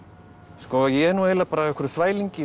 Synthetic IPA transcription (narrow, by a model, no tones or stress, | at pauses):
skɔajɛnuɛlapaːɾaɛkʰʏɾʏθvaːjliɲcɪ